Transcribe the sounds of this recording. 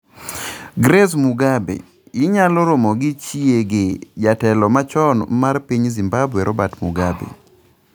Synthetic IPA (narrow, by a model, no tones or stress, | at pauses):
ɡɾesmuɡabḛ | jɪɲalɔɾomɔɡɪt͡ʃieɡed͡ʒatɛlɔmat͡ʃɔnmarpiɲzimbabwɛɾʔɔbatmuɡabḛ